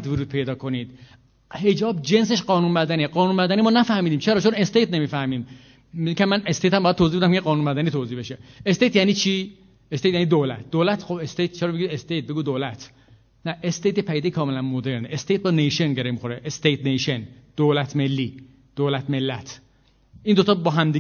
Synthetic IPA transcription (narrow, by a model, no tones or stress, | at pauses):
d̪voɾuːd̪̚pʰe̞jd̪ɒːkʰo̞niːd̪̥ | he̞d͡ʒɒːbd͡ʒe̞ns̬e̞ʃɢɒːnuːnmæd̪æniɢɒːnuːnmæd̪æniːmɒːnæfæhmiːd̪iːmt͡ʃʰeɾɒːt͡ʃʰone̞st̪ejt̪̚ʰne̞miːfæhmiːm | mikʰæmːænest̪et̪hæmbɔjæd̪̚tʰoːziːbeæmkʰeɡɒːnunmæd̪æniːt̪ʰoːziːhbe̞ʃeest̪ejt̪jæniːt͡ʃʰiː | est̪ejt̪jæniːd̪olæ̰t̪̚ʰd̪oːlæt̪ʰxobest̪ejt̪̚t͡ʃʰeɾɒːmiɡiest̪ejt̪̚be̞ɡuːd̪oːlæt̪ʰ | næʔest̪ejt̪epʰæjid̪ekʰɒːmelænmod̪e̞ɾneʔest̪ejt̪̚bɒːnejʃenɟeɾemixoɾeʔest̪ejt̪̚ʰnejʃend̪̥oːlæt̪ʰme̞lːiː | d̪̥oːlæt̪me̞lːæt̪ʰ | ʔiːnd̪ot̪ʰɒːbɒːɦæmd̪i